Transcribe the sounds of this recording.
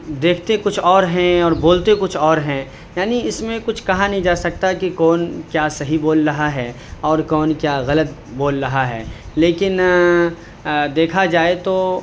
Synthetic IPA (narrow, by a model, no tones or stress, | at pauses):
d̪eːkʰt̪ekʊt͡ʃʰɔːɾɦɛ̃ɔːɾboːlt̪ekʊt͡ʃʰɔːɾɦɛ̃ | jaːniɪsmẽkʊt͡ʃʰkɐɦãnɐɦĩd͡ʒaːsɐk̚t̪akikɔːnkjaːsɐɦiboːlɾɐɦaɦɛː | ɔːɾkɔːnkjaːɣɐlət̪̚boːlɾɐɦaɦɛ̰ː | leːkɪn | d̪eːkʰad͡ʒaːet̪oː